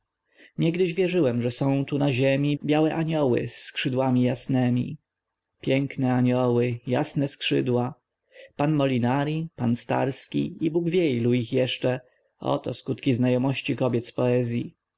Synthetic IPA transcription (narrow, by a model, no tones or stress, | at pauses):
ɲɛɡd̪ɘʑvʲjɛʐɘwɛmʐɛsɔ̃w̃t̪unaʑemʲibʲjawɛʔaɲɔwɘ̰sːkʂɘd̪wamʲijasnɛmʲḭ | pʲjɛŋknɛaɲɔwɘja̰snɛskʂɘd̪wa | panmɔlʲinaɾʲipanst̪a̰ɾskʲḭibuɡvʲjɛjluixjɛʂt͡ʂɛ | ɔ̰t̪ɔ̰skut̪kʲiznajɔmɔɕt͡ɕikɔbʲjɛt̪spɔɛzʲji